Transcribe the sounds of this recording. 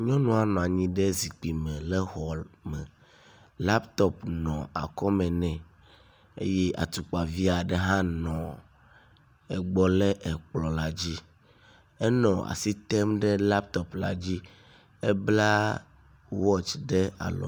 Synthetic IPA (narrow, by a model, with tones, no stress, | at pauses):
ɲɔ̃˦nɔ̃˦a˨nɔ̃˨a˨ɲĩ˦ɖɛ˦zi˨k͡pi˨mɛ̃˨lɛ˦xɔ˨mɛ̃˨ | la˦pt̪ɔ˦pnɔ̰̃˨a̰˨kɔ˦mɛ̃˨nɛ̃˨ | e˦je˦ʔa̰˨t̪u˨k͡pa˨vi˦a˨ɖɛ˦ɦã˦nɔ̃˨ | ɛ˨ɡ͡bɔ˨lɛ˦ʔɛ˨k͡plɔ˨la˨d͡ʑi˦ | ɛ˦nɔ̃˨a̰˨si˦t̪ɛ˦mɖɛ˦la˦p̚t̪ɔ˨pla˨d͡ʑi˦ | ɛ˦bla˦ | wɔ˦t͡ʃɖɛ˦a̰˨lɔ̰˨